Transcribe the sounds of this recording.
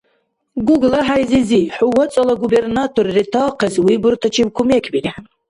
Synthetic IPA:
ɡuɡlaħajziziħuwɔt͡sʼɐlaɡubernatʰorritʰaːqʰɛzwibɨrt̪ʰat͡ʃʰibkʰumekʲʰbinʲiħan

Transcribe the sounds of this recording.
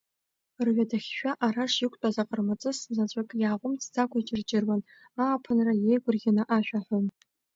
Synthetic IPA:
rɥadaχʲʃᶣaʔaɾaʂjɪkʷʼtʼazaqʼərmat͡sʼɨszat͡ɕʷʼakʼjaːʁʷʼʊmt͡sʰd͡zakʷʰʼait͡ʃʼɪrd͡ʒʼɪrwan | aːpʰɨnrajejɡʷʼʊrɡʲɪnaʔaʃᶣaħʷᶣon

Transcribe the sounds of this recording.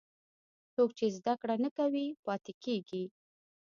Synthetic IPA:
t͡soɡ̚t͡ʃezd̪akɽanəkawipɑt̪ekeɡi

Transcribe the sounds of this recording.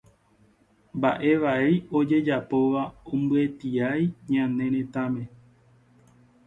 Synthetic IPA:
mba̰ʔe̞ʋaejo̞d͡ʒe̞d͡ʒapo̞ʋaõmbɨe̞t̪iajɲãnẽ̞ɾ̃ẽ̞t̪ãmẽ̞

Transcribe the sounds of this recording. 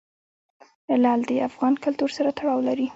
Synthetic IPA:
lɑld̪əafɣɑnkʊlt̪uɾsaɾat̪aɽɑwlaɾi

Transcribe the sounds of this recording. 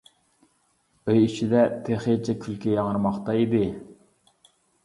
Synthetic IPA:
øjit͡ʃʰid̪ɛt̪ʰeχet͡ʃʰɛkʲʰylkʲɛjɑŋəɾmɑχt̪ɑid̪ɪ

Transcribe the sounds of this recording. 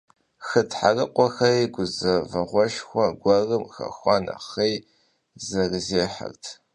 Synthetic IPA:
xɨtħarɨqʷʼɔxɐiɡʷʊzɐvɐʁʷɔʃxʷɔɡʷɐrɨmxɐ̰xʷɑnɐ̰χej | zɐrɨzeːħa̰rtʰ

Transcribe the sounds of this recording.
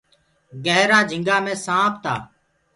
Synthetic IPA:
ɡəɦɾaːd͡ʒʱɪ̃ŋɡaːmẽːsãːpʰt̪ʰa̰ː

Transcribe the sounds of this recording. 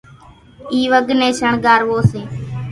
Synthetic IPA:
iːʋəɡʱnẽːt͡ʃʰəɳɡaːɾʋoːseː

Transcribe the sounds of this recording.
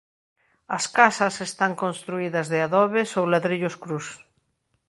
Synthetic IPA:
ɐskasɐsest̪aŋkonst̪ɾuiðɐzðeaðɔβesowlaðɾiʎʊskɾus

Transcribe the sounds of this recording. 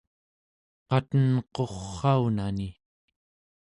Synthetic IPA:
qɑt̪ənqo̞χːɑunani

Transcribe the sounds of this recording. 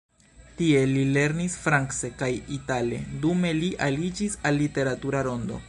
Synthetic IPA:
tie̞lile̞ɾnisfɾaŋksekajitale̞̰dume̞liʔalid͡ʒisalːite̞ɾatuɾaɾo̞ndo̞̰

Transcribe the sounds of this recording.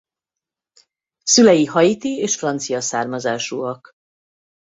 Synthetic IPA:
sylɛjihɒjit̪ieːʃfrɒnt̪sijɒsaːrmɒzaːʃuɒk

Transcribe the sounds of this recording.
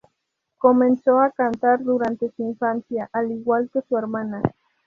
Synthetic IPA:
komensoakant̪aɾd̪uɾant̪esuiɱfansjaʔaliɣwalkesueɾmana

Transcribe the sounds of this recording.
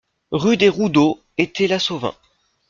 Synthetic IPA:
ʁyd̪eʁud̪o | et̪ʰɛlasovɛ̰̃

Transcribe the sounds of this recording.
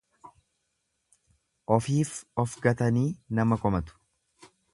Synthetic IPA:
ʔɔfiːfɔfɡɐt̪ɐniːnɐmɐkɔmɐt̪ʊ̥

